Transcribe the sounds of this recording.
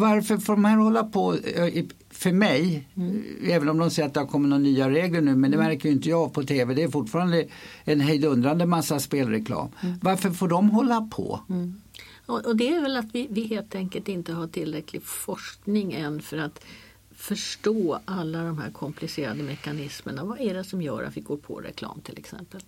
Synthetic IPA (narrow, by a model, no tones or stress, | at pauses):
vaɾfəɾfoːɖɔmhæɾhɔlːapʰɔ | fœɾmɛj | ɛːvənɔmd̪ɔmsɛjɾat̪d̪ɛhaɾkʰɔmːət̪nɔːnyːaɾeːɡləɳʉ̟ːmɛnd̪ɛmæɾkəjʏɪnt̪əjɑːpʰɔt̪ʰeːvɛd̪ɛːɾfʊʈfɑːɾand̪əɛnɦɛjd̪ɵnd̪ɾand̪əmasːaspeːlɾɛkʰlɑ̰ːmvaɾfəɾfoːɖɔmɦɔlːapʰɔ̰ | ɔʔɔd̪ɛæɾvɛlat̪vɪvɪɦeːlt̪ʰɛŋkəlt̪ɪnt̪əɦaʈʰɪlːɾɛkʰlɪɡfɔʂknɪŋɛnːfœɾat̪ | fœʂʈoːalːad̪ɔmɦæ̰ɾkʰɔmpʰlɪseːɾa̰d̪əmɛkːanɪsmə̰ɳavaʔæɖɛsɔmjœ̰ːɾʔa̰t̪vɪɡoːɾpʰɔ̰ɾɛ̰kʰlɑ̰ːmt̪ʰɪlɛ̰ksɛ̰mpəl